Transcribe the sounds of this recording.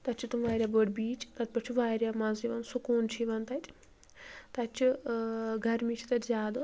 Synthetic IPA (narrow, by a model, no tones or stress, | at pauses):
t̪ɐt͡ʃʰit̪umʋaːɾʲjaːboːɖbiːt͡ʃt̪ɐd̪̚pɐt͡ʃʰuʋaːɾʲjaːmɐziʋɐnsukuːnt͡ʃʰiʋɐnt̪ɐtʲ | t̪ɐt͡ʃʰu | ɡɐɾmit͡ʃʰi̥t̪ɐtʲzaːd̪u